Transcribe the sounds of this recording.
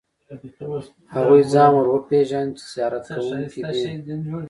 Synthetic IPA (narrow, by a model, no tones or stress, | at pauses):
haɣuizɑːmɾwəpeːʒant͡ʃi̥sijɑːɾat̪kawuŋkid̪e